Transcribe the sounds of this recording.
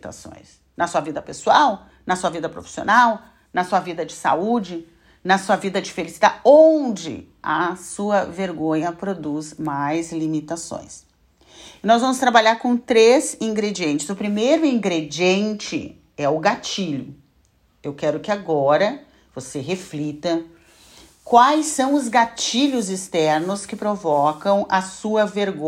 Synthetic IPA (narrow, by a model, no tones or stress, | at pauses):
t̪a̰sõ̰j̃s | nɐsuɐvid̪ɐpesuaw | nɐsuɐvid̪ɐpɾofi̥sio̰naw | nɐsuɐvid̪ɐd͡ʒɪsa̰ud͡ʒɪ | nɐsuɐvid̪ɐd͡ʒɪfelisi̥d̪aõd͡ʒɪ̰ | ɐsuɐveɾɡõɲɐpɾod̪uzmajzlimit̪asõ̰j̃s | ɪnɔzvɐ̃mʊst̪ɾabaʎaɾkõt̪ɾezĩŋɡɾed͡ʒiẽnt͡ʃɪzʊpɾimejɾʊĩŋɡɾed͡ʒiẽnt͡ʃɪ̰ | ɛʊɡat͡ʃiʎʊ | ewkɛɾʊkɪaɡɔɾɐ | voseɦeflit̪ɐ | kwajsːɐ̃w̃ʊzɡat͡ʃiʎʊzɪst̪ɛɾnʊskɪpɾovɔkɐ̃w̃ʔɐsuɐveɾɡõ